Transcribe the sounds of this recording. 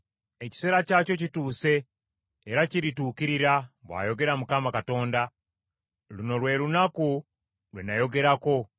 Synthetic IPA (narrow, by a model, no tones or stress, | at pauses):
e̞ci̥se̞ːɾacaːco̞cituːse̞ː | ɾaciɾituːkiɾiɾaβwa̰ːjo̞ɡe̞ɾamukamakato̞ːnda | luno̞lwe̞ɾunaku | lwḛnajo̞ɡe̞ɾako̞